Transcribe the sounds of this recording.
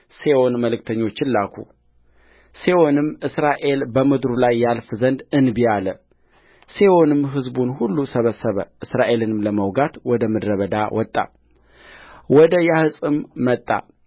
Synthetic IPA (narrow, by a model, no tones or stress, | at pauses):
seʔo̞nməlɨk̚t̪ʰəɲːo̞t͡ʃːɪnlakʰṵ | sewonɨmʔɨsɾaʔe̞lbəmɨd̪ɾulajːalfzənd̪ɨnbijalə | se̞onɨmɦɨzbunhulːusəβəsəβə̰ʔɨsɾaʔe̞lɨnɨmləməwɡat̪wɔd̪əmɨd̪ɾəβəd̪a̰wʔɔt̪ʼːa̰ | wɔd̪əjahɨsʼɨmːət̪ʼːa̰